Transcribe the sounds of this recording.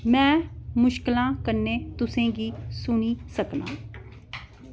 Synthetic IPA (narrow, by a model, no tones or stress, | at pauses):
mɛ̃ːmʊʃkɪlãːkəɾneːt̪ʊsẽːɡiːsʊniːsəkna̰ː